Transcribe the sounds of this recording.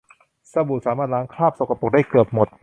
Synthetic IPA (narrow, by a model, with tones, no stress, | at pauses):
sa˧bu˨˩t̪̚saː˩˦maː˥˩t̪̚ɾaː˦˥ŋkʰlaː˥˩p̚so˨˩kʰa˧po˨˩k̚daː˥˩jkɤː˨˩p̚mo˨˩t̪̚